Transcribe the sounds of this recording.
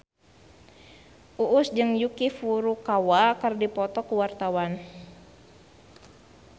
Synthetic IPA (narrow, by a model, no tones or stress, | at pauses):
ʔuʔːsd͡ʒɨŋjukifuɾukawakərdipɔt̪ɔkuwart̪awan